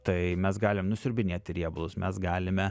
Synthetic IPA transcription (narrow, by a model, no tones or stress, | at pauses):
t̪ɐɪmʲɛsɡɑːlʲɪmnʊsʲʊɾʲbʲɪnʲeɛt̪ʲɪɾʲiɛbʊlˠʊsmʲʔɛsɡɑːlʲɪmʲɛ